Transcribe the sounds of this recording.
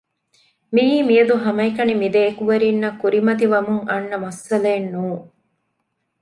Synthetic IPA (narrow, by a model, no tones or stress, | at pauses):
miːmiɐd̪uɦɐmɐikɐnimid̪eːkuʋɐɾinːɐkːuɾimɐt̪̬iʋɐmuŋɐnːɐmɐsɐlɐːnːuːŋ